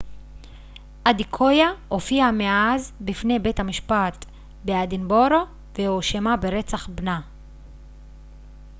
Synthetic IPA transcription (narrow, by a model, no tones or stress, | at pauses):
ʔad̪ikʰo̞jaofiameazbifne̞bethamiʃpat̪ | bead̪inbo̞ɾo | vehoʃemabeʁe̞t͡saχbna